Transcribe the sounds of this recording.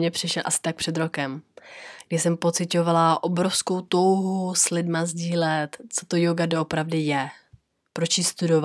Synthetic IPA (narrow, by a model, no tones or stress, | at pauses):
ɲɛpr̝̥ɪʃɛlʔa̰sɪ̥t̪ak̚pr̝̥ɛd̪ɾo̞kɛmɡdɪsɛmpo̞t͡sɪco̞valaʔobɾo̞fsko̞wt̪o̞wɦuslɪdmazɟiːlɛt̪t͡so̞t̪o̞joɡadoʔopɾavdɪjɛ | pɾot͡ʃjist̪udov